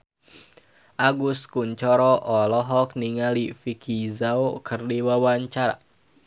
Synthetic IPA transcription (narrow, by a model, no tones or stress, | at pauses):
ʔaɡuskuɲt͡ʃɔɾɔʔɔlɔɦɔkniŋalifikʰizaukʰərdiwawaɲt͡ʃaɾa̰